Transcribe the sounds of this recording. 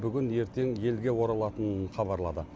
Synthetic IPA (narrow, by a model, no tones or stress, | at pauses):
bʏɡʲɪnje̞ɾt̪e̞ŋje̞lɡʲe̞wo̞ɾɑlˠɑt̪ənənχɑbɑɾlˠɑd̪ə